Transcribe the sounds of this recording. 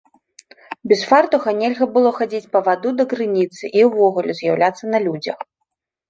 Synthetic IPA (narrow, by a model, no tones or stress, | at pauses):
bʲɛsfart̪ɐɣɐnʲɛlʲɣɐbɨlˠɔxad͡zʲit͡sʲpɐvad̪ud̪ɐkɾɨnʲit̪sɨʔiwvɔɣulʲuzʲjawlʲat̪sːɐnɐlʲud͡zʲɐ̰x